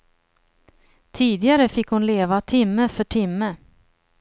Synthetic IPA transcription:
t̪ʰiːd̪ɪɡaɾəfɪkːhʊnleːvat̪ʰɪmːəfœʈʰɪmːə

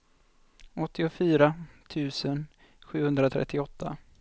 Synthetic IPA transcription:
ʔɔt̪ːɪʊfyːɾat̪ʰʉ̟ːsən | ɧʉ̟ːhɵnd̪ɾat̪ʰɾɛ̰t̪ʰːɪɔt̪ʰːa

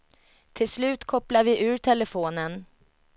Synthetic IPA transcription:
t̪ʰɪlslʉ̟ːt̪kʰɔplavɪʔʉ̟ːɾʈʰɛləfoːnən

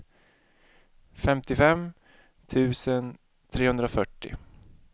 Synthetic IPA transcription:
fɛmt̪ɪfɛm | t̪ʰʉ̟ːsən | t̪ʰɾeːhɵnd̪ɾafœʈːɪ̰

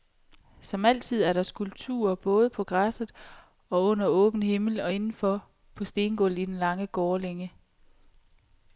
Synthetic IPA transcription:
sɒ̽mæl̰t͡sʰið̞̰ˠæɐɾ̥ɑ̈sɡ̥ulb̥̚t͡sʰṵːɐb̥ɔ̽ːð̞ˠpʰɒ̽ɡ̥ʁasð̩ˠ | ɒ̽ɔ̽n̰ɐɔ̽ːb̥n̩he̝ml̩ɒ̽e̝nn̩fɒ̽ | pʰɒ̽sd̥e̝ːnɡ̥ɔ̽l̰id̥enlɑ̈ŋəɡ̥ɒːleŋə

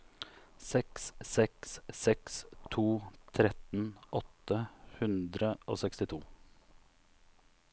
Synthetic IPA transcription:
sɛkssɛkssɛkst̪ʰuːt̪ʰɾɛt̪n̩ɔt̪əhʉnd̪ɾəo̰ːsɛkst̪ɪt̪ʰuː

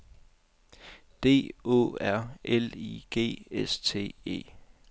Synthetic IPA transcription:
d̥e̝̰ːo̰æɐ̰eliɡ̥e̝̰ːest͡sʰe̝̰ːe̝̰ː

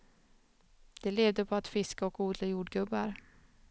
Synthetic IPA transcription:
d̪̥ɛleːvd̪əpʰɔat̪fɪskaɔkuːd̪lajuːɖɡɵbːaɾ

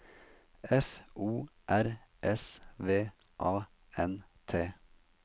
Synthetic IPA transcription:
ɛfuːʔæɾʔɛsʋeː | ʔɑː | ɛnt̪ʰeː

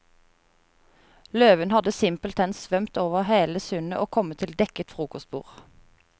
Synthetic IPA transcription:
løːʋənhɑd̪əsɪmpəlt̪ʰɛnsʋœmt̪oːʋəʁheːləsʏnəʔoːkʰɔmət̪ʰɪld̪ɛkət̪fʁuːkʊsbṵːʁ

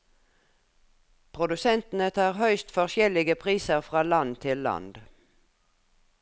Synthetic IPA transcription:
pʰʁʊd̪ʉsɛnt̪n̩ət̪ʰɑːʁhœʏst̪fɔʁʃjɛlɪɡəpʰʁiːsəʁfʁɑːlɑnt̪ʰɪlːɑ̰nd̪

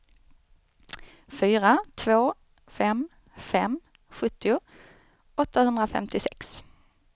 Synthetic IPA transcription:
fyːɾat̪ʰvoː | fɛm | fɛmː | ɧɵt̪ːɪʊ | ɔt̪ːahɵnd̪ɾafɛ̰mt̪ʰɪsɛks

